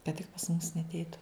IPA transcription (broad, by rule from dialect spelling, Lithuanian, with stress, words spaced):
kɐt tʲɪk pɐs mʊs nʲɛɐtʲˈɛɪtʊ